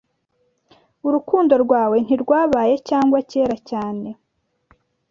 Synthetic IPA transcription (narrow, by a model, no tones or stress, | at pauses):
uɾukuːndo̞ɾɡwaːwe̞n̥iɾɡwaːβaːje̞caːŋɡwace̞ːɾacaːne̞